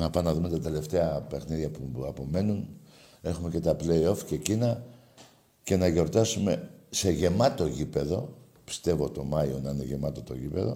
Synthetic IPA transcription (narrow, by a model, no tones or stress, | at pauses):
nɐpɐnɐðume̞t̪ɐt̪e̞le̞ft̪e̞ɐpe̞xniðʝɐpuɐpo̞me̞nun | e̞xume̞ce̞t̪ɐple̞io̞fce̞cinɐ | ce̞nɐʝo̞ɾt̪ɐsume̞se̞ʝe̞mɐt̪o̞ʝipe̞ðo̞ | pi̥st̪e̞vo̞t̪o̞mɐio̞nɐine̞ʝe̞mɐt̪o̞t̪o̞̰ʝipe̞ðo̞̰